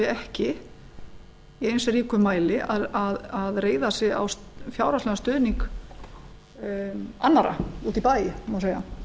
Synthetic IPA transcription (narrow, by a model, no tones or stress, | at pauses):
ɪɛhcɪ | iejnsriːkʏmaːjlɪaðaðaðreːjðasjɪa̰wsfjaːwɾat̪lɛɣast̪ʏːðniŋk | anːaɾʔa̰uːt̪ipaːjɪmaseːja̰